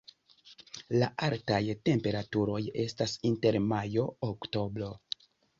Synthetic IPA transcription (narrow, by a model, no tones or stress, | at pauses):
laʔaltajte̞mpe̞ɾatuɾo̞je̞stasinte̞ɾmajo̞ːkto̞bɾo̞